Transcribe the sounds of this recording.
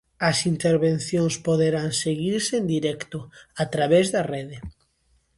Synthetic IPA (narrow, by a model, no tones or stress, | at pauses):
ɐsint̪eɾβenθjõŋspoðeɾaŋseɣiɾseend̪iɾɛkt̪ʊat̪ɾaβezðɐreðɪ